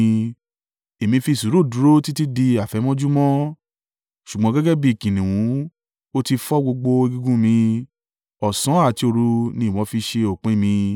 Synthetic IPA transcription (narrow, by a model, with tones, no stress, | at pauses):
e˨mĩ˧fi˧˨su˨˦ɾu˦˨dũ˨˦ɾo˦ti˦ti˦di˧a˨fɛ˨˦mɔ̃˦d͡ʒu˦mɔ̃˦ | ʃu˨ɡ͡bɔ̃˨˦ɡɛ˦ɡɛ˦bi˦˨kĩ˨nĩ˨wũ˨˦ | o˦ti˧fɔ˦ɡ͡bo˧ɡ͡bo˧e˧ɡi˧ɡũ˦mĩ˧ | ɔ˨sɔ̃˨˦a˦˨ti˧o˧ɾu˧nĩ˧˦˨w̃ɔ̃˨˦fi˧ʃe˧o˨k͡pẽ˦mĩ˧